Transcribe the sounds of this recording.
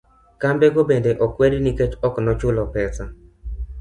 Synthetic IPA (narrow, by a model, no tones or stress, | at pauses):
kambɛɡobendeʔɔkweɾiniket͡ʃɔknɔt͡ʃʊlɔpɛsa